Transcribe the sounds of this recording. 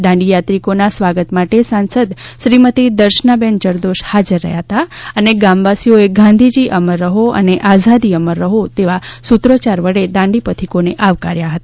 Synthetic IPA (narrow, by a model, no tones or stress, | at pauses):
d̪ãɳɖijat̪ɾikonasʋaɡət̪maʈesãnsəd̪ʃɾimət̪id̪əɾʃnabent͡ʃəɾd̪oʃhad͡ʒəɾːə̰ɦjaɦət̪aəneɡamʋasijoeɡʱãnd̪ʱid͡ʒiʔəməɾːəɦoə̰neʔazad̪iəməɾːəɦot̪eʋasut̪ɾot͡ʃaɾʋəɽed̪ãɳɖipət̪ʰikoneʔaʋka̰ɾjaɦət̪ḁ